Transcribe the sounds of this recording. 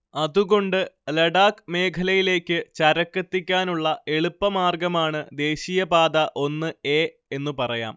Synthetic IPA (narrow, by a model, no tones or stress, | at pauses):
ɐðuɣo̞ɳɖɨlɐɽaːkme̞ːkʰɐlɐjile̞ːkʲːɨt͡ɕɐɾɐkːɐt̪ːikʲːaːnuɭːɐe̞ɭupːɐmaːrɡɐmaːɳɨd̪e̞ːɕijɐbaːd̪ɐʔo̞nːɨe̞ː | enːupɐrɐja̰ːm